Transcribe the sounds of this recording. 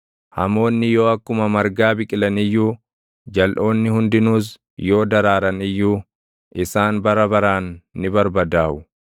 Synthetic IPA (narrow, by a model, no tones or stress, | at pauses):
hɐmo̞ːnːɪjo̞ːɐkːʊmɐmɐɾɡaːbɪkʼɪlɐnɪjːuː | d͡ʒɐlʔo̞ːnːɪhʊnd̪ɪnuːs̬ | jo̞ːd̪ɐɾaːɾɐnɪjːuː | ʔɪsaːnbɐɾɐbɐɾaːnːɪbɐɾbɐd̪aːʔʊ